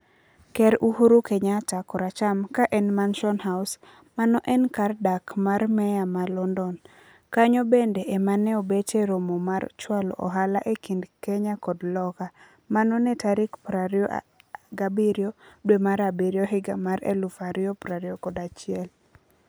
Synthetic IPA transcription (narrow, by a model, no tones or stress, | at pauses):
kɛɾuhuɾukɛɲatakɔɾat͡ʃamkaʔɛnmanʃɔnhaws | manɔʔɛnkardakmarmɛjamalɔndɔn | kaɲobendeʔemanɛobeteɾomomaɾt͡ʃwalɔ̰ʔɔɦalaʔekindkɛɲakɔdlɔka | manɔnetaɾikpɾaɾio | ɡabiɾjodwemaɾabiɾjoɦɪɡamaɾḛlufaɾjopɾaɾiokɔdat͡ʃɪɛl